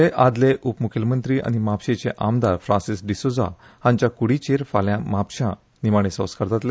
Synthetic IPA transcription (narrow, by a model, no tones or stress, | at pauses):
eʔad̪leʔupmukʰəlmənt̪ɾiːʔa̰ñimapɕet͡seʔamd̪aɾfɾãnsisɖisod͡za̰ | hãɲt͡ɕjakuɽit͡ɕeɾfaljãmapɕã | nimaɽ̃esə̃wskaɾt̪at̪le